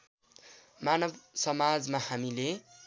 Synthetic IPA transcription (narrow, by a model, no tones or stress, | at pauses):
manʌbsʌmad͡zmahamile